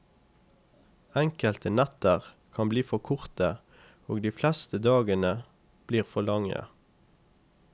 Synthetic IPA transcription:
ɛŋkəlt̪ənæt̪əʁ | kʰɑmbliːfɔkʰʊʁt̪ə | oːɡd̪iːflɛst̪əd̪ɑːɡənə | b̥liːʁfɔlɑŋə̰

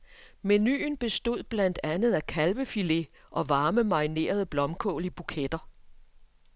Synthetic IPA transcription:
meny̰ːnb̥e̝sd̥o̝ð̞̰ˠb̥læn̰d̥ænð̩ˠækʰælʋəfile̝ʔɒ̽ʋɑ̈ːməmɑ̈ine̝̰ːɐð̞̩ˠb̥lɒ̽mkʰɔ̰̽ːlib̥ukʰed̥ɐ

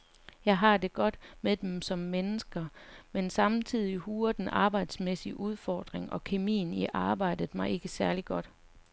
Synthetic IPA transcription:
jɑ̈ɪɦɑ̈d̥e̝ɡ̥ɒ̽d̥med̥emsɒ̽mːenəsɡ̥ɐmensɑ̈mt͡sʰið̞̰ˠihuːɐd̥en̩ʔɑ̈ːb̥ɑ̈ɪ̰d̥smesiʔuð̞ˠfɒːd̥ʁeŋʔɒ̽kʰe̝mḭːniʔɑ̈ːb̥ɑ̈ɪ̰d̥ð̩ˠmɑ̈ɪe̝ɡ̥əsæɐliɡ̥ɒ̽d̥

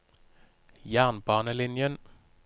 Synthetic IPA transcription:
jæːʁnbɑːnəlɪnjən

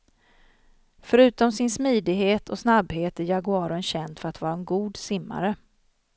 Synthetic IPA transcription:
fœɾʉ̟ːt̪ɔmsɪnsmiːd̪ɪɡɦeːt̪ʰɔsnabheːt̪æɾjaɡʊɑːɾʊənɕɛnd̪fœɾat̪vɑːɾaɛnɡuːd̪sɪmːa̰ɾə

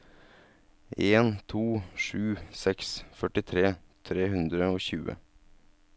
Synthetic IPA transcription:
eːnt̪ʰuːʂʉːsɛksfœʈɪt̪ʰɾeːt̪ʰɾeːɦʉnd̪ɾəoːçʉ̰ːə̰

